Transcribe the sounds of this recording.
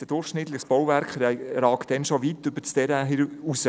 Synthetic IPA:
d̥əd̥ʊrχʃnɪt̪ləχsb̥ɔwvæɾkχɾɑːkd̥ɛnʃoʋitːʏb̥ət͡stɛɾæɦiusə

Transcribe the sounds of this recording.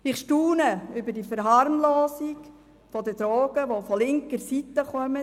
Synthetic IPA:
ɪχʃtuːnəʏbədifəɾɦɑɾmloːsiɡ | fɔdəd̥ɾoːɡ̥əʋofɔlɪŋkəɾsit̪əχœmə

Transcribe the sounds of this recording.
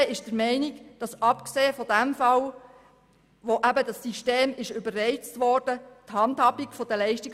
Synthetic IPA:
ɪʃd̥əɾmɛɪniɡd̥ɑsɑpkseːəfɔdæmfɑl | ʋoʔæbədɑsːiʃteːmɪʃøbərrɛɪt͡stʋɔːrd̥əthɑndhɑbikfɔd̥əlɛɪʃtik

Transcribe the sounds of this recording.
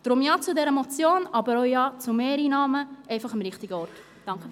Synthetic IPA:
d̪̥ɾʊmjɑt͡sudɛɾəmɔt͡sjoːnɑbəɾoʊjɑːt͡sumeːɾinɑːməʔɛɪfɑχəmɾɪχt̪iɡəɔɾt | d̥ɑŋkə

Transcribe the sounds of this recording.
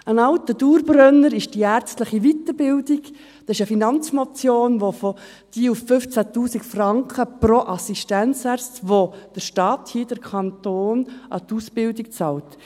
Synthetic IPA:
ənɑʊtəd̥uːɾbrœnːəɾɪʃd̥iæːɾt͡stləχiʋit̪əɾbɪldiɡ | d̥ɑsɪʃəfinɑnt͡smot͡sjoːnʋofo | d̥iːufːʏft͡sætuːsikfrɑŋkχəpɾoʔɑsiʃtænt͡sæɾt͡stʋod̥əɾʃtɑːthiːd̥əɾkʰɑntoːnʔɑ̰t̪usb̥ɪldikt͡sɑːlt

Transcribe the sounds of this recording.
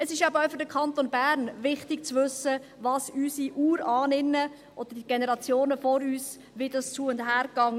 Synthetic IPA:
əsɪʃabəʊfʏɾdəkʰɑnt̪onbæːɾnvɪχtɪkt͡sʋʏsəvɑːsysiʔuːɾɑːnɪnːə | ʔɔd̥əɾd̥iɡ̥enɛʁɑt͡sjoːnəfɔɾyːs | ʋidɑst͡suəʊndɦæːɾkɑŋ

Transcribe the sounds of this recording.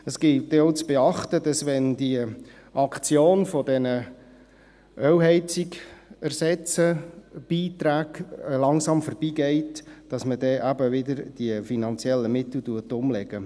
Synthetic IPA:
əsɡ̥ɪltdeowt͡sb̥eɑχt̪əd̥ɑsʋɛndiə | ʔɑkʰt͡sjoːnfɔdɛnə | ʔœwɦɛɪt͡sɪkærsɛt͡səb̥iːtɾæːɡlɑŋsɑmfɔrb̥iːɡɛɪtd̥ɑsmədɛːʔæbəʋɪdəɾd̥iəfinɑnt͡sjɛlːəmɪt̪l̩tuətʊmlɛɡə

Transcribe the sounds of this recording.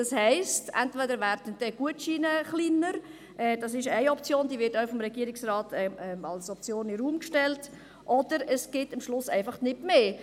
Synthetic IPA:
d̥ɑshɛɪstʔɛ̰ntvɛdəɾvæːɾdənd̥ɛɡ̥uətʃiːnəχliːnəɾ | ʔɛːd̥ɑsɪʃæɪɔpt͡sjoːnd̥iːvɪtaʊfɔmɾɛɡiəɾɪksrɑːtʰɛɛɑ̰lsɔp̚t͡sjoːnɪɾuːmkʃtɛlt | ʔɔd̥əɾəsɡ̥ɪtəmʃlʊsæ̰ɪfɑχnɪtmeː

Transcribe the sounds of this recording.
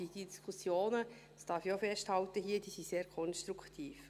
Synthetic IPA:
id̥iskʰusjoːnədsd̥ɑfjofɛsthɑlt̪əɦiːəd̥iːsiseːɾkʰɔnstɾukt̪ʰiːf

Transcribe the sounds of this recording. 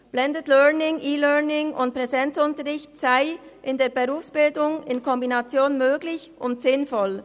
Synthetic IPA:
b̥lɛndətlœɐnɪŋʔiːlœɐnɪŋʊnt̚pʁɛzɛnt͡sʊntəʁɪçtsaɪʔɪndeːɐbeʁuːfsb̥ɪldʊŋɪnkʰɔmbinat͡sjoːnmøːɡlɪçʔʊntz̥ɪnfɔl

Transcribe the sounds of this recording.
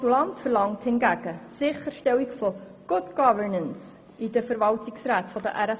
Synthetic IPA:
ulɑntfəɾlɑŋthɪnɡæɡ̥ətsɪχəɾʃtɛwikfɔ | ɡ̥ʊdɡ̥ɑvəɹnəns | idəfəɾvɑltiksɾæːtfɔdə̰ʔæɾɛ

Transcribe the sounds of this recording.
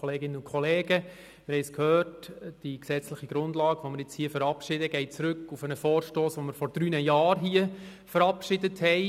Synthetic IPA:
ɔleːɡɪnənʊnkʰχɔleːɡə | mɪɾhɛɪskhøːrtd̥iksɛt͡slɪχiɡ̥ɾʊndlɑːɡ̥ʋoməɾjɪt͡shiəfəɾɑpʃɪdəɡ̥ɛɪt͡sɾɵkːufənəfɔːɾʃtoːsʋoməɾfɔɾd̥ɾyːnəjɑːrɦiə | fəɾɑpʃɪdəthɛɪ

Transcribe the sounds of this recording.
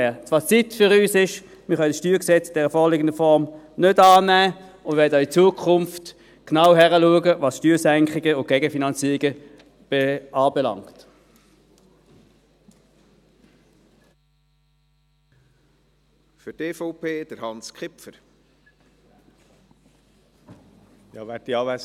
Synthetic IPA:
ɛt͡sʋ̥ɑːt͡sitfʏʁyːsɪʃ | mɪʁχœnəsʃtyːʁksɛt͡sɪd̥ɛʁəfɔːʁliːɡəndəfɔʁm | nødɑːnæː | ʊndʋɛdəit͡suːəkʰχʊmft | knaʊɦæʁəluəɡəvɑsʃtyːsæŋkχɪɡəʊn̚ɡ̥ɛɡəfinɑnt͡siːʁɪɡə | b̥eɑːbɛlɑ̰ŋkt | fʏteːfɔʊpʰeːd̥əɾhɑnskχɪpfəɾ | jɑ̰ːʋæt̚diɑːʋæ

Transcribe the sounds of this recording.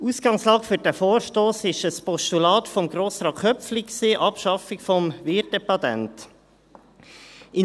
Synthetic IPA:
usɡ̥ɑŋslɑːkfyɾdæfoːɾʃtoːsɪʃəspɔʃtulɑːt̪fɔmɡɾoːsɾɑːkχʰœpflɪkksiːʔɑpʃɑfɪkfɔmʋɪɾtdɛpɑt̪æ̰nt | ɪ

